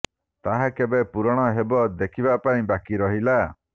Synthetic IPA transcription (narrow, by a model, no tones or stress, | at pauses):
t̪aɦakebepuɾɔɽ̃ɔɦebɔd̪ekʰibapaĩbakiɾɔɦila